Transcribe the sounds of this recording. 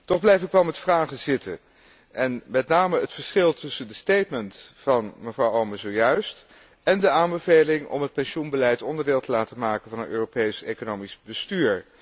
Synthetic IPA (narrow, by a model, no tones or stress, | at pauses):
tɔχblɛjfɪkʋɛlˠmɛtfraːχəzɪtə̰ | ʔɛnmɛtnaːməətfəɹsχɪlˠtɵsəndəstejtməntfɑnməvrɑwowməzowjœɥst | ɛndəaːmbəvejlɪŋɔ̰mɦət̚pɛnʃunbəlɛjtɔndəɹdɪːlˠtəlaːtəmaːkənvɑnənøːropejsekonowmizbəstyːɹ